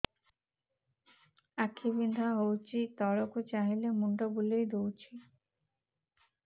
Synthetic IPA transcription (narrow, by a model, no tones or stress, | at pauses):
akʰibind̪ʱaɦowt͡ɕit̪ɔɾokut͡ɕaɦilemuɳɖobulejd̪owt͡ɕʰi